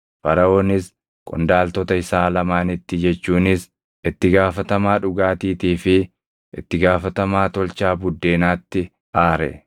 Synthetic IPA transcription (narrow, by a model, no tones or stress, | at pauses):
fɐɾɐoːnɪs | kʼɔ̰nd̪aːlt̪ɔt̪ɐɪsaːlɐmaːnɪt̪ːɪd͡ʒɛt͡ʃːuːnɪs | ɪt̪ːɪɡaːfɐt̪ɐmaːᶑʊɡaːt̪iːt̪iːfɪ | ʔɪ̰t̪ːɪɡaːfɐt̪ɐmaːt̪ɔlt͡ʃaːbʊd̪ːe̞ːnaːt̪ːɪ | aːɾɛ̰